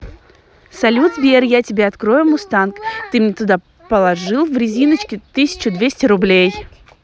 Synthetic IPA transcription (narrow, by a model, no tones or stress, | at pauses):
sɐlʲud̪zbʲerjatʲɪbʲeɐt̪kɾo̞jʊmʊst̪ankt̪ɨmnʲɛt̪ʊd̪a | pəlˠɐʐɨlˠvɾʲɪzʲinət͡ɕkʲɪt̪ɨsʲɪ̥t͡ɕʊd̪vʲesʲtʲɪɾʊblʲej